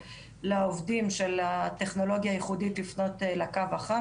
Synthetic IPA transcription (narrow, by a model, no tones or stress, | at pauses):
laovdimʃelat̪eχno̞lo̞ɡjaːjiχuditlifno̞telakavaχa